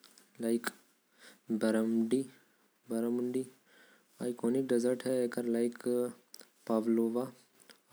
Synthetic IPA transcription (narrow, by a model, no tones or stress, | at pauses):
laɪk | bɐɾəmɖi | bɐɾəmɳɖi | aːjkʰoːnik̚ɖɐzəɾʈɦɛekəɾlaɪk | paːʋloːʋa